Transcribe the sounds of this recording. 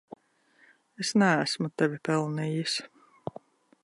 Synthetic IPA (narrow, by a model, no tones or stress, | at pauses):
esnææsmut̪ɛvʲipɛlˠnijis